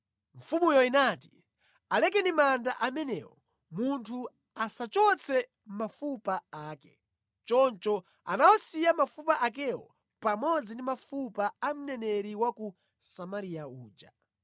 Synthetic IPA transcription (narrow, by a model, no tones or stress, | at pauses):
ɱ̩fumujɔinaːti̥ | alɛk̬ɛnimandaʔamɛnɛ̰wɔ | muntʰu | asat͡ʃɔt͡sʰɛ | m̩mafupaaːkɛ̰ | t͡ʃɔnt͡ʃɔ | a̰nawɔsijamafupaʔak̬ɛwɔ̰ | pamɔd͡zindimafupaam̩nɛnɛɾiwaku | samaɾiauːd͡ʒa̰